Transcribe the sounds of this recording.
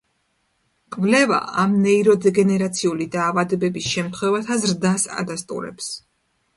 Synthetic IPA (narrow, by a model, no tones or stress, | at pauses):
kʼvlɛva̰ʔamnɛiɾɔd̪ɛɡɛnɛɾat̪sʰiulid̪aːvad̪ɛbɛbisʃɛmt̪ʰχwɛvat̪ʰazɾd̪asa̰d̪ast̪ʼṵɾɛ̰ps